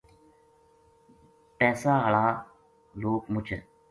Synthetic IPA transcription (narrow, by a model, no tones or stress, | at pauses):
pɛːsaːɦəɭaː | loːkmʊt͡ʃʰə̰